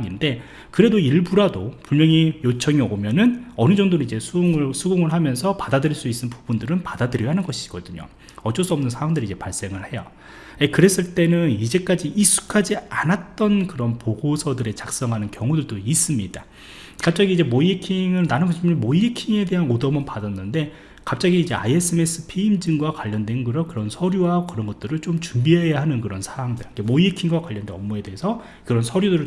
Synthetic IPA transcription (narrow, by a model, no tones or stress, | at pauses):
ŋinde̞ | kɯɾe̞doiɭbuɾadopuɭmjʌŋijot͡ɕʰʌŋiʌɡomjʌnɯnʌnɯd͡ʑʌŋdoɾoid͡ʑe̞sʰuŋɯsʰuɡuŋɯɭɦamjʌnsʰʌpadadɯɾiɭs͈uis͈ɯnpubundɯɾɯnpadadɯɾʌɦanɯnɡʌɕʰi̥ɡ̥ʌdɯɲo̰ | ʌt͡ɕ͈ʌs͈uʌmnɯnsʰawaŋdɯɾid͡ʑe̞paɭs͈e̞ŋɯɭhe̞jo̰ | ekɯɾe̞s͈ɯɭt͈e̞nɯnid͡ʑe̞k͈ad͡ʑiʔis͈ʰu̥kʰad͡ʑianat̚t͈ʌnkɯɾʌnpoɡosʰʌdɯɾe̞t͡ɕak̚s͈ʌŋɦanɯnkjʌŋudɯɭdois͈ɯmɲida | kap̚t͡ɕ͈aɡiːd͡ʑe̞moiikʰiŋɯɭnanɯnpoɕʰimmoiikʰiŋe̞de̞ɦanodʌmʌnpadʌnːɯnde̞ | kap̚t͡ɕ͈aɡiːd͡ʑe̞a̰je̞s͈ʰɯme̞s͈ʰɯpʰeimd͡ʑiŋɡwakwaʎːʌndwenkɯɾʌkɯɾʌnsʰʌɾjuwakɯɾʌnɡʌt͈̚ɯɾɯɭt͡ɕomt͡ɕumbiɦe̞jaɦanɯnkɯɾʌnsʰawaŋdɯɭikemoiikʰiŋɡwakwaʎːʌndwenʌmːoe̞deɦesʰʌ | kɯɾʌnsʰʌɾjudɯɾɯɭ